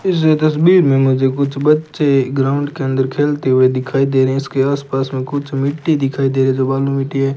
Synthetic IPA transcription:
ɪs̬et̪ɐsbiːɾmẽmʊd͡ʒʱek̬ʊt͡ʃʰbɐtːʃeɡɾaːʊ̃ɳɖkeə̃nd̪əɾkʰeːlt̪eɦʊed̪ɪkʰaːid̪eːɾɦɛ̃ɪskeaːspaːsmẽkʊt͡ʃʰmɪʈːid̪ɪkʰaːid̪eːɾeɛ̃d͡ʒoːbaːlũmɪʈːiɦɛː

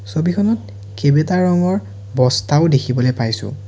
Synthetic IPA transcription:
sobixʰɔnɔt̚ | kebetaɹɔŋɔɹ | bɔstaʊdekʰibɔlojpajsʊ̰̃

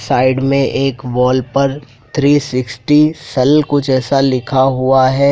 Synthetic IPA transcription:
saːɪɖmẽʔeːkʋɔːlpɐɾ | t̪ʰɾiːsɪksʈisɐlkʊt͡ʃɛːsalɪkʰaɦuaɦɛː

